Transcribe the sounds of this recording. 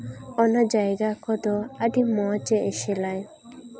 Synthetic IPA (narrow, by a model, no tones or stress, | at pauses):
ɔnad͡ʒajɡakɔd̪oaɖimɔt͡ʃeeʃelaj